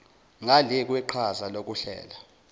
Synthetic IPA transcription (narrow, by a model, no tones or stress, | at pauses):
ŋalɛk̬ʼwɛǃʰazalok̬ʼuɬɛ̰ːla